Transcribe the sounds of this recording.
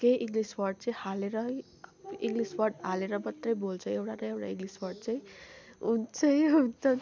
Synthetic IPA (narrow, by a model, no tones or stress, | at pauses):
kejʔiŋliswʌrɖ̚t͡saĩhaleɾʌ | iŋɡliswʌrɖɦaleɾʌmʌt̪rʌjbolt͡sʰʌewʈanʌjewʈa̰iŋɡliswʌrɖ̚t͡saĩunt͡sʰʌjɦunt͡sʌ